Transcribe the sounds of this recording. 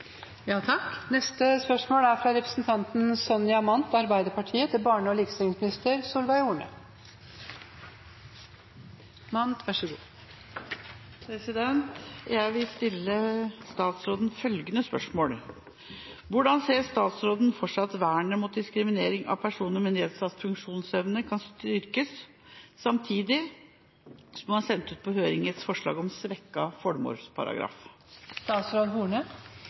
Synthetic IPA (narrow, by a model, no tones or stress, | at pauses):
jɑːt̪ʰɑknɛst̪əspœʂmoːɽæɾfɾɑɾɛpɾə̥sn̩t̪ʰɑnt̪n̩sɔnjɑmɑnt̪ɑɾbæɪd̪əɾpɑʈʰiːət̪ʰɪbɑːɳəɔlɪkst̪ɪŋsmɪnɪst̪əɾsuːlʋæɪuːɳə̰ | mɑnt̪ʰʋæʂəɡṵː | pʰɾɛsɪd̪ɛnt̪jæɪʋɪlst̪ɪlːəst̪ɑːt̪sɾoːd̪n̩fœlɡənəspœ̰ʂmoːɽ | ʋʊɖɑnseːɾst̪ɑːt̪sɾoːd̪n̩fɔʈʂɑt̪ʋæːəɳəmʊt̪̚d̪ɪskɾɪmɪneːɾɪŋɑ̰ʋpʰæʂuːnəɾmɪnd̪ɪeːt̪sɑt̪fʉŋkʂuːnsɛʋnəkʰɑnst̪ʏɾkəsː | ɑmt̪ʰiːd̪ɪ | sɔmmɑnsɛnt̪ʉːt̪̚pʰɔhøːɾɪŋət̪sfɔʂɭɑ̰ːɡɔmsʋɛkːɑfɔɽmo̰ːɾspʰɑ̰ɾɑ̰ɡɾɑ̰ːf | st̪ɑːt̪sɾoːd̪ɦuːɳə